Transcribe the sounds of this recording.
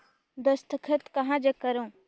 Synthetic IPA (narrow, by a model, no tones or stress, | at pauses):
d̪əst̪əkʰət̪kɐɦãd͡ʒəkəɾõː